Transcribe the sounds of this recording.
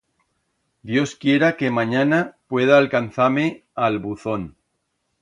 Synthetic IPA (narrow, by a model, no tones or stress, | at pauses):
d̪jo̞skje̞ɾake̞mãɲanapwe̞ð̞aːlkanθame̞alβuθo̞n